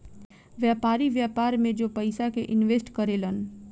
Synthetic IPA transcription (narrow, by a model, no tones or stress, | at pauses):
ʋjaːpaːɾiʋjaːpaːɾmẽd͡ʒoːpəɪsakeʔɪnʋeːsʈkəɾeːlən